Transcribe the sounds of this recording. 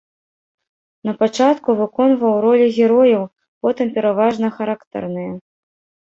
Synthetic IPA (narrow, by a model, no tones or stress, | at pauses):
nɐpat͡ʂat̪kuvɨkɔnvɐwɾɔlʲiɣʲɛɾɔjɐw | pɔt̪ɨmpʲɛɾavaʐnɐxaɾakt̪ɛ̰rnɨjɐ